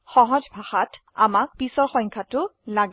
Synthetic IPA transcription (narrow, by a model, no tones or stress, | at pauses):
xɔɦɔd͡ʒbʱaxat | a̰mak̚pisɔɹxɔjŋkʰatʊlaɡ